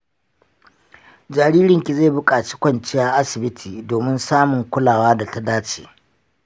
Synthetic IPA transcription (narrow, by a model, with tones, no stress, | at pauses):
d͡ʒa˨ɾiː˦ɾɪ˨ŋkʲi˨za˦˨bʊ˦kʼaː˨t͡ʃi̥˦kʷɐ˦nt͡ʃɪ˦jaː˦ʔa˦sɪ˨bɪ˦tʰiː˨doː˨mɪ˦nsaː˦mʊ˨ŋkʷʊ˦laː˨waː˦da˨ta˦daː˦t͡ʃe̥̰ː˨